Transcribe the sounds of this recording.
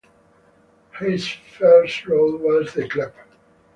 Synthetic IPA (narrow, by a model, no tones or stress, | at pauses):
hɪz̥fɜ˞stɹoʊlˠwɔzðɨkʰlɪb̥